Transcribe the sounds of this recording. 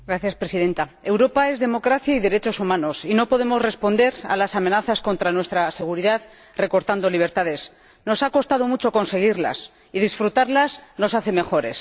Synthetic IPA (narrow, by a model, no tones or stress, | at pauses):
ɡɾaθjaspɾe̞siðe̞nt̪ae̞wɾo̞pae̞zðe̞mo̞kɾaθjaiðe̞ɾe̞t͡ʃo̞sumãno̞sino̞po̞ðemo̞zre̞spo̞nd̪e̞ɾa̰lasame̞naθasko̞nt̪ɾanwe̞st̪ɾase̞ɣ̞uɾiðað | re̞ko̞ɾt̪and̪o̞liβ̞e̞ɾt̪aðe̞s | no̞sako̞st̪að̞o̞mut͡ʃo̞ko̞nse̞ɣ̞iɾla̰s | ið̞isfɾut̪aɾlazno̞saθe̞me̞xo̞ɾe̞s